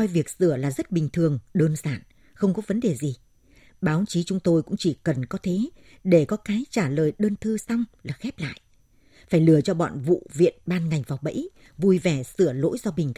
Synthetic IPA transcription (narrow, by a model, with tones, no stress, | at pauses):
ɔ˧jvi˨˩ək̚sɨ˧˩əlaː˨˩zə˦˥t̚ɓï˨˩ŋ̟t̪ʰɨ˨˩əŋɗəː˧nzaː˧˩n | xə˧wŋ͡mkɔ˨˦və˨˦nɗe˨˩zi˨˩ | ɓaː˨˦wt͡ɕi˨˦t͡ɕʊ˨˦ŋ͡mt̪o˧jkʊ̰˧˥ŋ͡mt͡ɕi˧˩kə˨˩nkɔ˨˦t̪ʰe˨˦ | ɗe˧˩kɔ˨˦kaː˨˦jt͡ɕaː˧˩ləː˨˩jɗəː˧nt̪ʰɨ˧sa˧wŋ͡mlaː˨˩xɛ˦˥p̚la̰ː˧˨jʔ | faː˧˩jlɨ˨˩ət͡ɕɔ˧ɓɔ̰˧˨nvṵ˧˨vḭ˧˨ənɓaː˧nŋa˨˩jŋ̟vaː˨˩wɓə̰˧˥j | vu˧jvɛ˧˩sɨ˧˩əlo̰˧˥jzɔ˧ɓï˨˩ŋ̟k